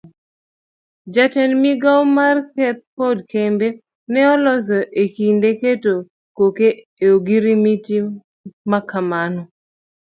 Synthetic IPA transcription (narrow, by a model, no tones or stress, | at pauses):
d͡ʒatɛnmiɡawmarkɛt̪̚kɔdkembe | nɛɔlɔs̬ɔʔekindeketo | koke | eoɡiɾimiti | makamanɔ